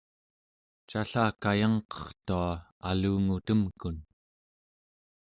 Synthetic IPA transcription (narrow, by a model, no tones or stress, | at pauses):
t͡ʃaɬaːkajɑŋqʌ̥χt̪uaaluːŋut̪əmkun